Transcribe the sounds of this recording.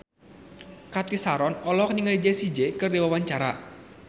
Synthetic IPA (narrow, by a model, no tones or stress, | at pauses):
kat̪isaɾɔnɔlɔkniŋəlid͡ʒesid͡ʒekərdiwawaɲt͡ʃaɾa